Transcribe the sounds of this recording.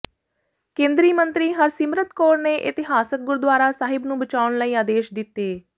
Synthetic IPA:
kẽːnd̪ɾiːmənt̪ɾiːɦəɾsɪmɾət̪koːɾneːʔɪt̪ɪɦaːsək̚ɡʊɾd̪waːɾaːsaːɦɪbnũːbət͡ʃaːʊɳləiːaːd̪eːʃd̪ɪt̪ːeː

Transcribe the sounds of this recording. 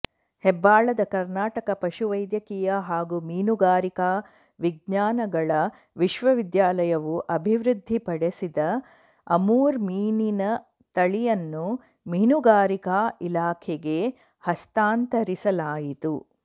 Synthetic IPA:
hɛbːaːɭɐd̪ɐkɐɾnaːʈɐkɐpɐʃuʋɐjd̪jɐkiːjɐɦaːɡumiːnuɡaːɾikaː | ʋiɡɲaːnɐɡɐɭɐ | ʋiʃʋɐʋid̪jaːlɐjɐʋuʔɐbʱiʋɾud̪ʱːipɐɽesid̪ɐ | ɐmuːɾmiːninɐ | t̪ɐɭijɐnːu | miːnuɡaːɾikaːilaːkʰeɡe | hɐst̪aːnt̪ɐɾisɐlaːjit̪u

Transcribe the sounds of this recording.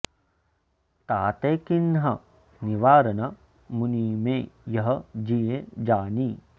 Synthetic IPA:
t̪aːt̪eːkinɦɐ | niʋaːɾɐnɐ | muniːmẽjɐɦɐd͡ʒiːjẽd͡ʒaːniː

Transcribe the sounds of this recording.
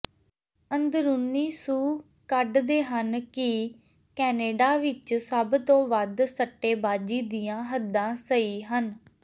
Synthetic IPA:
ənd̪ɾunːiːsuː | kəɖd̪eːɦənkɪ | kɛːneːɖaːʋɪt͡ʃsəbt̪õːʋəd̪səʈːeːbaːd͡ʒiːd̪ijãːɦəd̪ːãːsəiːɦən

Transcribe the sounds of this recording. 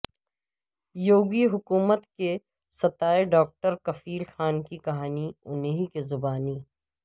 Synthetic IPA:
joːɡiɦʊkuːmət̪ke | sɐt̪aːeɖɔːk̚ʈəɾkɐfiːlxaːnkikɐɦaːniʊneɦikezʊbaːniː

